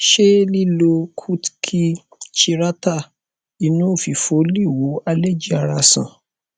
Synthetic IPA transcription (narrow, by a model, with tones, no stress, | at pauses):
ʃe˦li˦lo˧kʰu˦tkʰi˧ | t͡ʃi˧ɾa˦ta˦˨ | i˨˧nũ˨˦˨fi˨fo˨˦li˦˨wo˨˦a˧lɛ˦˨d͡ʒi˦a˧ɾa˧sã̰˨